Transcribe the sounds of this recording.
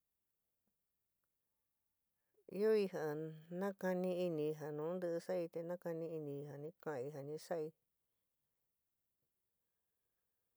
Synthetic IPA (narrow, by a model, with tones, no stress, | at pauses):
ḭ˦o˦i˧ha˨nã˦ka˧nĩ˧i˧nĩ˧˨˧ɦa˨nũː˨˦nd̪ɨ˧ʔɨ˧sa˦i˧t̪e˧nã˦ka˧nĩ˧i˧nĩ˧i˧ɦa˨nĩ˦kã˦˨a˧i˧ɦa˨nĩ˧sa˦ʔi˧